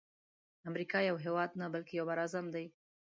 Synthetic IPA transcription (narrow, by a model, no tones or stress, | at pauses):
amɾikɑjawɦewɑd̪nabalkejawbaɾazamd̪aj